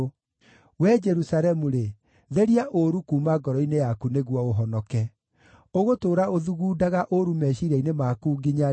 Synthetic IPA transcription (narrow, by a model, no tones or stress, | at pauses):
wɛd͡ʒɛɾusaɾɛmuɾe | ðɛɾiaʔoɾukuːmaɡɔɾɔinejakuneɣwɔoɦɔnɔkɛ | oɣotoːɾaoðuɣuːdaɣaʔoɾumɛʃiɾainemakuːɡiɲa